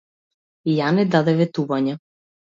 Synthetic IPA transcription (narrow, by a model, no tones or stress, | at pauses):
janɛd̪ad̪ɛvɛt̪uvaɲa